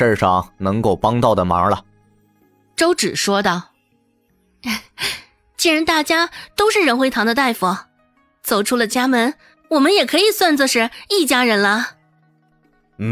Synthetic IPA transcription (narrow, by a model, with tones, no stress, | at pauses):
ə˥˧ʂɑ˥˩ŋnɤ˧˥ŋko˥˩ʊpɑ˥ŋt̪ɑ˥˩ʊd̪ə˩ma̰˧˥lɐ̰˧ | ʈ͡ʂo˥ʊʈ͡ʂɻ̩˨˩ʂwɔ˥d̪ə˥˨˩ | t͡ɕi˥ɻə˧˥nt̪a˥˩t͡ɕja˥t̪o˥ʊʂɻ̩˥˩ɻə˧˥nxwe˧˥ɪt̪ʰɑ˧˥ŋd̪ə˧t̪a˥˩ɪfu˨˩˦ | t͡so˨˩ʊʈ͡ʂʰu˥lə˨t͡ɕja˥mə˧˥n | wɔ˨˩mə˦njɛ˨˩kʰɤ˧˥i˨˩swa˥˩nt͡sə˧ʂɻ̩˥˩i˥˩t͡ɕja˥ɻə˧˥nlɐ˧